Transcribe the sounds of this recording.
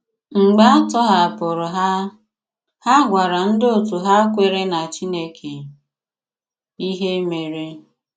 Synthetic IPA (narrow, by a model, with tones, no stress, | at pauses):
ŋ͡m̩˨ɡ͡ba˦tɔ˦ɦa˨pʊ˨ɾʊ˨ɦa˦ | ha˦ɡʷa˨ɾa˨n̩˦do˦˨tu˨ɦa˦kʷe˦ɾe˦na˨t͡ʃi˦ne˦kʰe˨ | i˦ɦe˦me˨ɾe˦